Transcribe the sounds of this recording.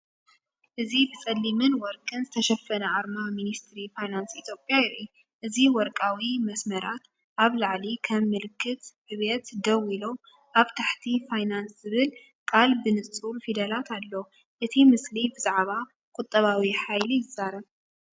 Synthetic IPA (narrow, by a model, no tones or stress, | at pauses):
ʔɨzibɨt͡sʼɐlːimɨnwɔɾkʼɨnzɨt̪ʰɐʃɐfɐnɐʕaɾmaminist̪ɾifajnansit̪ʰjo̞pʼːjaɪɾʔu | ʔɨziwɔɾkʼawimɐsmɐɾat̪ | ʔaβlaʕlikʰɐmːɨlɨkʰːɨt̪ħɨβet̪d̪ɐwilo | ʔaβt̪ʰaħt̪ʰifajnanszɨβɨl | kʼalbɨnɨt͡sʼt͡sʼulfid̪ɐlat̪ʰalːo | ʔɨt̪ʰimɨslibɨzaʕβa | kʼʊt̪ʼːɐβawiħajlijɨzaɾɐβ